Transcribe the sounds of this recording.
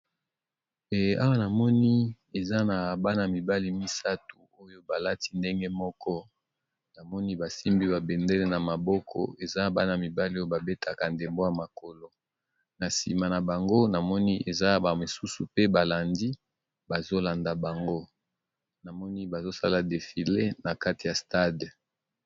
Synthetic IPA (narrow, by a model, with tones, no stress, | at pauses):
ɛ˨a˦wa˦na˨mɔ˦ni˦ | e˨za˦na˨ba˦na˨mi˨ba˦li˦mi˦sa˦tu˨o˦jo˦ba˨la˦ti˦nde˦ŋɡe˦mɔ˦kʰɔ˦ | na˨mɔ˦ni˦ba˨si˦mbi˦ba˨bɛ˨nde˦lɛ˦na˨ma˨bɔ˦kʰɔ̰˦e˨za˦ba˦na˨mi˨ba˦li˨˦o˦jo˦ba˨be˦tʰa˨ka˨nde˨mbo˦ja˨ma˨ko˨lo˨ | na˨si˨ma˨na˨ba˨ŋɡo˦na˨mɔ˦ni˦e˨za˦ba˨mi˨su˦su˨pe˦ba˨la˨ndi˦ | ba˨zo˦la˨nda˨ba˨ŋɡo˦ | na˨mɔ˦ni˦ba˨zo˦sa˦la˨de˨fi˨le˦na˨ka˦ti˨ja˨sta˦d